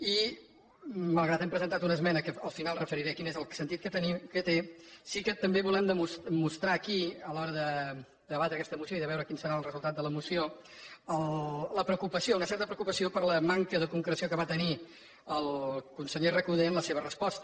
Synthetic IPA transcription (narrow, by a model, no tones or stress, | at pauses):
i | məlˠɣat̪ɛmpɾəzənt̪at̪unəzmɛnəkəəlˠfinalˠrəfəɾiɾɛkinezəlˠsənt̪it̪̚kət̪ənikət̪esikət̪əmbeβulɛmd̪əmusmust̪ɾaːkiəlɔɾəðə | d̪əəβat̪ɾəkɛst̪əmusioiðəβɛwɾəkinsəɾaəlˠrəzulˠt̪at̪̚d̪ələmusio | əllləpɾəkupəsiounəsɛɾt̪əpɾəukupəsiopəɾləmaŋkəðəkuŋkɾəsiokəβat̪əni | əlˠkunsəʎerəkuð̞enləseβ̞ərəspɔst̪ə